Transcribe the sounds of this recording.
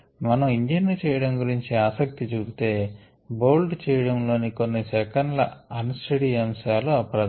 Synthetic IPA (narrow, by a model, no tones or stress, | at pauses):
mɐnɐmiɲd͡ʒinːit͡ʃɛːjɐɽɐmɡuɾiɲt͡ʃiaːsɐk̚t̪it͡ʃuːbit̪e̞ː | boːlɖt͡ʃɛːjɐɽɐmlo̞ːniko̞nːisɛkɐɳɖlɐ̰ɐnusʈɐɽiɐmʃaːluɐpɐɾɐd̪